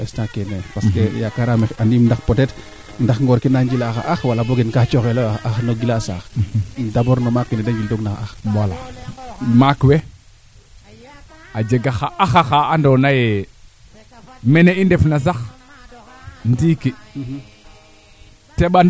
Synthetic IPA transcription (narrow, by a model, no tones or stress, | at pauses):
ɛstakenepaskejakaɾameandimndaxpɔtɛt | ndaxŋɡɔɾkinaɲɟilaxa̰ʔaxwalaboɡenkat͡ʃɔxeloʔaxnoɡilasa̰ːxdabɔɾnomakwɛnɛdaɲɟildoɡnaxaxwala | makwe | ad͡ʒeɡaxaaxaxaːndɔnaje | mɛneindɛfnas̬ax | ntiki | teɓa